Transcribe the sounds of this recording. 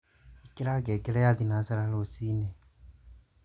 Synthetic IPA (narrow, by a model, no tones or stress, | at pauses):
ikiɾaɡɛɡɛɾɛjaðinasaɾalosinɛ